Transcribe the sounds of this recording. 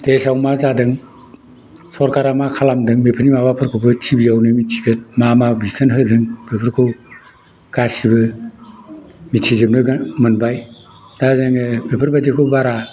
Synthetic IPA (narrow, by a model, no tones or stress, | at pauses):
tesawmazadɯŋ | sɔɾkaɾamakʰalamdɯŋbepʰɯɾnimabapʰɯɾkʰɯwbɯtʰibijawnɯmitʰiɡɯt̚mamabisʰanɦɯdɯŋbepʰɯɾkʰɯw | kasibɯ | mitʰizemnɯɡmɯnbaj | dazɯŋɯbepʰɯɾbazekʰɯwbaɾa